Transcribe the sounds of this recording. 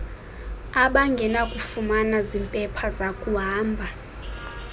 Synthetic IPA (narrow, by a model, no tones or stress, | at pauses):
aɓaŋɡʱɛnakʼufumanazimpʼɛpʰazakʼuɦaːmbʱa